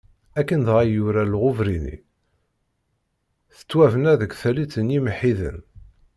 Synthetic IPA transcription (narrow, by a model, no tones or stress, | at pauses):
ækːənðʁajuɾælʁʊvɾinḭ | θə̥t͡sːwævənæðəkθælit͡sːənjimħiðə̰n